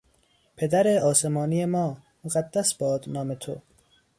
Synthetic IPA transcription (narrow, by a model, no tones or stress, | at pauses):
pʰed̪æɾeɒːsemɒːnijemɒː | moɣæd̪ːæsb̥ɒːd̪nɒːmet̪ʰo̰